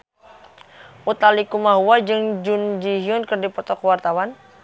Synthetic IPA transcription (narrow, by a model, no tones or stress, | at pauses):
ʔut̪alikumaɦuwad͡ʒɨŋd͡ʒund͡ʒiɦiʊnkɨrdipɔt̪ɔkwart̪awan